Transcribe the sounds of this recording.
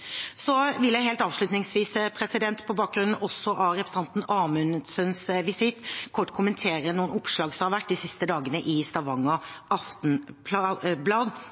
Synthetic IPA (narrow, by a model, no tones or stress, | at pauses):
sɔʋɪljæɪhɛːlt̪ɑːʋʂlʉt̪nɪŋsʋiːspʰɾɛsɪd̪ɛnt̪pʰɔbɑːk̚ɡɾʉnn̩ʔɔsːɔʔɑɾɛpɾɛsəɑnt̪n̩ɑmʉnsənsʋɪsɪt̪ːkʰɔʈːkʰʊmənt̪ʰeːɾənuːənʊpʂlɑːɡsɔmhɑɾʋæʈ̚ːd̪ɪsɪst̪əd̪ɑːɡənəʔɪst̪ɑʋɑŋɔʔɑft̪n̩pʰlɑblɑːd̪